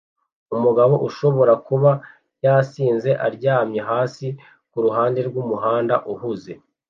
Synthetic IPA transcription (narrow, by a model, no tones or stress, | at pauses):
umuɡaβo̞ʔuʃo̞βo̞ɾakuβa | jasiːnze̞ʔaɾɟaːmɲe̞ɦaːsi | kuɾuɦaːnde̞ɾɡumuɦaːnda̰ʔuhuze̞